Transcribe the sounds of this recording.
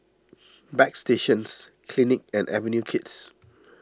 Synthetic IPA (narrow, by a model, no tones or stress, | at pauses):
bɛksteʃə̃nskʰlinɪk̚ɛ̃nʔɛ̰və̃njukʰɪts